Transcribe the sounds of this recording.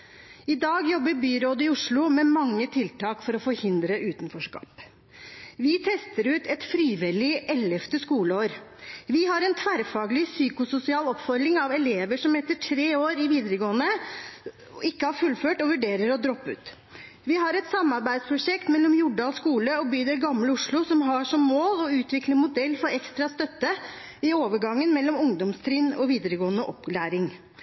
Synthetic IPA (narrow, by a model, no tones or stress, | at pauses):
ɪd̪ɑːɡjɔbːəɾbyːɾoːd̪ɪʊʂɭʊmɛmɑŋːət̪ʰɪlt̪ɑːkfɔɾɔfɔɾhɪnd̪ɾəʔʉːt̪ənfɔʂkɑ̰ːp | ʋɪt̪ʰɛst̪əɾʉːt̪ɛt̪fɾiːʋɪlɪʔɛlɛft̪əskuːləoːɾʋɪhɑɾɛnt̪ʰʋæɾfɑːɡlɪsyːkʊsʊsɪɑːlɔpfɔɾlɪŋɑʋɛleːʋəʂɔmɛt̪ːəʈʰɾeːoːɾɪʋiːd̪əɾəɡoːənə | ɪkːəhɑɾfʉlføːʈɔʋʉɖeːɾəɾɔd̪ɾɔpːʉ̰ːt̪ | ʋɪɦɑɾɛt̪sɑmɑɾbæɪd̪spʰɾʊʂɛkt̪mɛlːɔmjʊɖɑɔskuːləɔbyːd̪ɛlɡɑmləʊʂɭʊsɔmɦɑʂɔmːoːlɔʉːt̪ʋɪkləmʊd̪ɛlːfɔɾɛkst̪ɾɑst̪œt̪ːə | ɪoːʋəɡɑŋːənmɛlːɔmʊŋd̪ɔmst̪ʰɾɪnːɔʋiːd̪əɾəɡoːənəʔɔ̰plæːɾɪŋ